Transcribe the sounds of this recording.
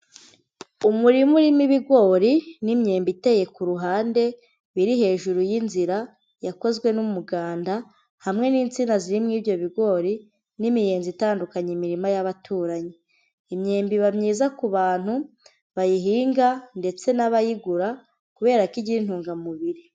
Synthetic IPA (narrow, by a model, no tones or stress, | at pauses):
umuɾimuɾimiβiɡo̞ːɾinimɲe̞ːmbite̞ːje̞kuɾuɦaːnde̞ | βiɾiɦe̞ːʒuɾujinziɾa | jako̞zɡwe̞numuɡaːnda | hamŋe̞niːnt͡sinaziɾimŋiːvjo̞βiɡo̞ːɾi | nimije̞ːnzitaːndukaɲimiɾimajaβatʰuːɾaɲe | imɲe̞ːmbiβamɲiːzakuβaːn̥hu | βajiɦiːŋɡande̞t͡se̞naβajiɡuɾa | kuβe̞ːɾaikiɟiɾin̥huːŋɡamuβiɾi